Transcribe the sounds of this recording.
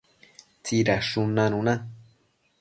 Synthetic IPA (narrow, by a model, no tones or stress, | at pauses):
t͡siɾaʂunanũna